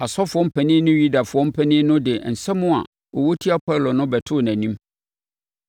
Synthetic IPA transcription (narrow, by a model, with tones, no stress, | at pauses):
a˨sɔ˦fʊ˨ɔ˦m̩˦pʰɛ˨nɪ̃ː˦nʊ̃˦ɥu˦da˨fʊ˨ɔ˦m̩˦pʰɛ˨nɪ̃ː˦nʊ̃˦dɪ˨n̩˨sɛ˦mʊ̃˦a̰˨ | ɔ˨wo˦tʰi˦a˦pʰɔ˦˨lo˨nʊ̃˦bɛ˨tʰʊ˦˨næ̃˨nĩ˦m